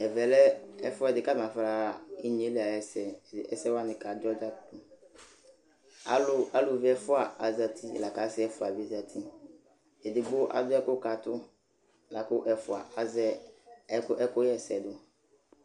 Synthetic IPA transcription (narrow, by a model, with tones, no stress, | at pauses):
ɛ˨vɛ˨lɛ˦ɛ˦fʊ˦ɛ˨dɪ˨ka˦˨mã˨fa˨ɾa˨i˦ɲ˨e˨˦li˨a˨jɛ˨sɛ˨ɛ̰˦sɛ˦wa˦nɪ̃˨ka˨dɔ˦d͡ʒa˦ʊ˦ | a˨˦lʊ˦a˨lʊ˨vɪ˦ɛ˦fʊ˦a˨a˨za˨tʰi˦˨la˨ka˨˦sɪ˦ɛ˦fʊ˨a˨bi˨˦˨za˨tʰi˦ | ɛ˨dɪ˨bʊ˦ʔa̰˨dʊ˦ɛ˦kʊ˦ka˨tʊ˦ | la˨kʊ˦ʔɛ˨fʊ˨a̰˨ʔa˨zɛ˦ | kʊ˦ʔɛ˦kʊ˦jɛ˦˨sɛ˨dʊ˨